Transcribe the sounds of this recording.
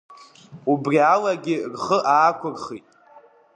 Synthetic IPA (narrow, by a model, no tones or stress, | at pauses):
ubrialaɡʲɪrχəʔaːkʷʰʊrχitʼ